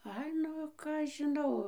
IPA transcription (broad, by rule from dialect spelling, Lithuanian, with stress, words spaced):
ˈɐɪ ˈnʊ ˈkɑː ɐʃ ʒʲɪˈnɐʊ